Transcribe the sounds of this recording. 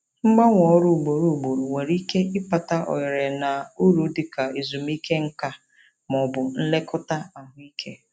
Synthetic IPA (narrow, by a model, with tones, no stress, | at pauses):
ŋ͡m̩˦ɡ͡ba˦ŋʷɔ˨˦ɾu˦˨ɡ͡bo˨ɾu˨ɡ͡bo˨ɾu˨ŋʷe˨ɾi˦ke˦ɪ˦pa˨ta˦ʔɔ̰˨jɪ˨ɾe˨na˨u˦ɾu˨˦dɪ˨ka˨i˨zu˨m̩˦i˦ke˦ŋ̩˦ka˦ | mɔ˨bʊ˨n̩˦le˦kʊ˦ta˦a˨ɦʊ˦i˦kʰe˦